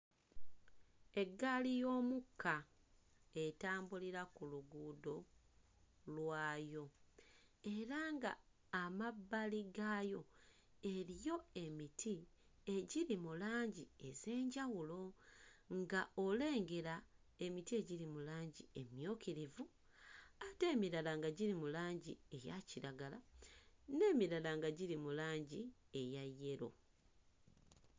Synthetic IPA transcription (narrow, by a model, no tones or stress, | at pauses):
e̞ɡːalijo̞ːmukʰːa | e̞taːmbuliɾakuluɡuːdo̞ | lwaːjo̞ | e̞ɾaŋɡa̰ː | mabːaliɡajo̞ | e̞ɾijo̞e̞mitʰie̞ɟiɾimulaːɲɟie̞ze̞ːɲɟawulo̞ŋɡaole̞ːŋɡe̞ɾa | e̞mitie̞ɟiɾimulaːɲɟie̞mjo̞ːkiɾivu | ate̞ːmiɾalaŋɡaɟiɾimulaːɲɟie̞jaciɾaɡala̰ | ne̞ːmiɾalaŋɡaɟiɾimulaːɲɟie̞jajːe̞ɾo̞̰